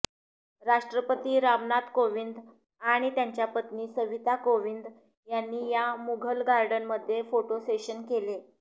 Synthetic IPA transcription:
ɾaʂʈɾəpət̪iːɾaʋnat̪koʋind̪ | aɽ̃it̪jaɲt͡ɕjapət̪niːsəʋit̪akoʋind̪ | janːiːjamuɡʱəlɡaɾɖənməd̪ʱːjefoʈoseɕənkele

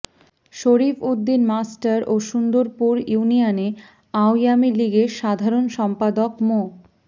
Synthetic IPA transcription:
ʃoɾifud̪ːinmasʈaɾoʃund̪oɾpuɾjunijane | awjamiliɡeʃad̪ʱaɾonʃɔmpad̪okmo

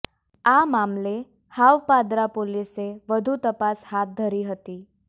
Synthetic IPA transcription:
amamle | haʋpad̪ɾapoliseʋəd̪ʱut̪əpashat̪̚d̪ʱəɾiːɦət̪iː

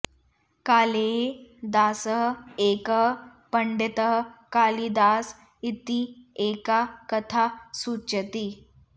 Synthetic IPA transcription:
kaːleɦed̪aːsəɦeːkəɦəpəɳɖet̪əɦkaːlid̪aːs | it̪ieːkakət̪ʰasuːt͡ʃət̪i

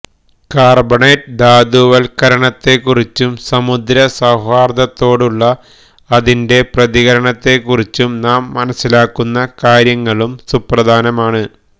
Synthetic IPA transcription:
kaːrbɐɳeʈd̪aːd̪uʋɐlkɐɾɐɳɐt̪ːe̞kːurit͡ɕːumsɐmud̪ɾɐsɐwɦaːrd̪ɐt̪ːo̞ːɽuɭːɐː | ðinde̞prɐðiɣɐɾɐɳɐt̪ːe̞kːurit͡ɕːumnaːmːɐnɐsːilaːkːunːɐkaːɾjɐŋːɐɭumsuprɐd̪ʱaːnɐmaːɳɨ

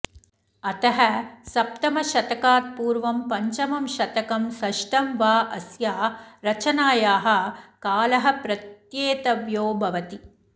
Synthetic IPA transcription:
ɐt̪ɐɦɐsɐp̚t̪ɐmɐʃɐt̪ɐkaːt̪̚puːɾʋɐmpɐɲt͡ʃɐmɐmʃɐt̪ɐkɐmsɐʃʈɐmʋaːʔɐsjaːɾɐt͡ʃɐnaːjaːɦɐ̆kaːlɐɦɐ̆pɾɐt̪jeːt̪ɐʋjoːbʱɐʋɐt̪i

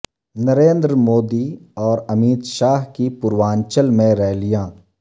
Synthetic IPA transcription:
nəɾeːnd̪ɾəmoːd̪iɔːɾɐmiːt̪ʃaːɦkipʊɾwaːnt͡ʃəlmẽɾɛɦlijãː

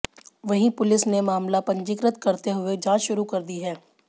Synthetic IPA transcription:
ʋɐɦĩpʊlɪsnemaːmlapɐ̃ɲd͡ʒɪkɾət̪kɐɾt̪eɦʊed͡ʒãːt͡ʃʃʊɾukɐɾd̪iɦɛː

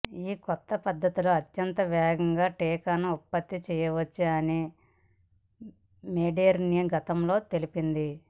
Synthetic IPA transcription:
iːkɔt̪ːɐpɐd̪ːɐt̪iloːɐtjɐnt̪ɐʋɛːɡɐŋɡaːʈeːkaːnɐupːɐt̪ːit͡ʃɛːjɐʋɐt͡ʃːiɐni | meːɖeɐɾnijɐɡɐt̪ɐmlo̞ːt̪e̞lipind̪i

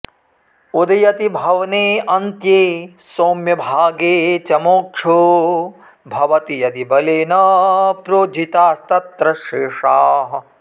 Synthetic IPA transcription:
ud̪ɐjɐt̪ibʱɐʋɐneːɐnt̪jeː | soːmjɐbʱaːɡeːt͡ʃɐmoːkʂʰu | bʱɐʋɐt̪ijɐd̪ibɐleːnɐpɾoːd͡ʒʱit̪aːst̪ɐt̪ɾɐʃeːʂaːɦɐ

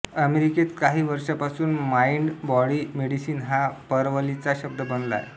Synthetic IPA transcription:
əmeɾiket̪kaɦiːʋəɾʂapasuːnmaiɳɖbɔɽiːmeɽisiːnɦapəɾʋəlit͡saɕəb̚d̪əbənla̰j

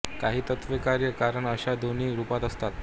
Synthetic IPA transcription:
kaɦiːt̪ət̪ʋəkaɾjəkaɾəɳəɕad̪ʱoniːɾupat̪əst̪at̪

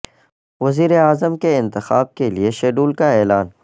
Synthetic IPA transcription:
ʋɐziːɾeaːzəmkeɪ̃nt̪ɪxaːb̚kelieʃeːɖuːlkaɛːlaːn

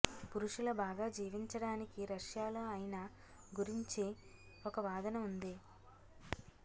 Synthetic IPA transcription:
puɾuʂulɐbaːɡaːd͡ʒiːʋiɲt͡ʃɐɽaːnikiɾɐʂjaːloːɐjnɐ | ɡuɾiɲt͡ʃe | ɔkɐʋaːd̪ɐnɐmund̪i

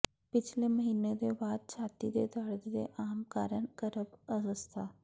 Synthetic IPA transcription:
pɪt͡ʃʰleməɦiːned̪ebaːd̪̚t͡ʃʰaːt̪id̪ed̪əɽd̪d̪ḛʔaːmkaːɾənkəɾəbəsəst̪ʰaː

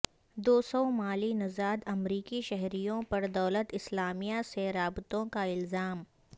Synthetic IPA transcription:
d̪oːsɔmaːlinɐzaːd̪ɐmɾiːkiʃɛɦɾijõpɐɾd̪ɐːlət̪ɪslaːmijaseɾaːbt̪õkaɪlzaːm

